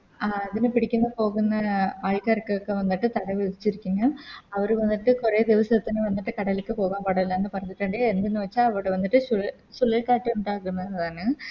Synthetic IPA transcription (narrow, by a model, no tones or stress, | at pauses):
aɐðinɨpiɽikʲːunːɐpo̞ːɣunːɐaːɭkaːɾkːekːeʋɐnːiʈːɨt̪ɐɽɐʋeðit͡ɕːiɾikʲːuŋːɐɭɐʋɐɾʋɐnːiʈːɨkureːd̪iʋɐsɐɐt̪ːineʋɐnːiʈːɨkɐɽɐlikːɨpo̞ːɣaːmpɐɽɐilːɐenːɨpɐrɐɲːiʈːɐɳɖeend̪enːɨʋɐt͡ɕːaːlɐʋoɽeʋɐnːiʈːɨɕu | suɭːilkaːʈːuuɳɖaːɣunːɐenːɐðaːnɨ